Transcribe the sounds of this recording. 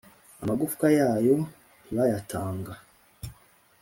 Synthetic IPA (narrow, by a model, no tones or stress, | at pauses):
amaɡufkajaːjo | βajatʰaːŋɡa